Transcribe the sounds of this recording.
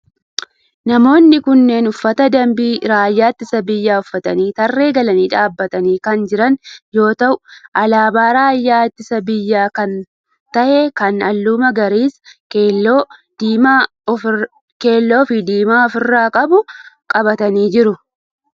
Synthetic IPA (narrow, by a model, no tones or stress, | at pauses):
nɐmo̞ːnːɪkʊnːe̞ːnʊfːɐt̪ɐd̪ɐmbiːɾaːjːaːɪt̪ːɪsɐbɪjːaːʊfːɐt̪ɐniːt̪ɐrːe̞ːɡɐlɐniːᶑaːbːɐt̪ɐniːkɐnd͡ʒɪɾɐnjo̞ːt̪ɐʔʊʔɐlaːbaːɾaːjːaːɪt̪ːɪsɐbɪjːaːkɐn | t̪ɐʔekɐnɐlːuːmɐɡɐɾiːskeoː | ke̞ːlːo̞ːfɪd̪iːmaːɔfɪrːaːkʼɐbʊkʼɐbɐt̪ɐniːd͡ʒɪɾʊ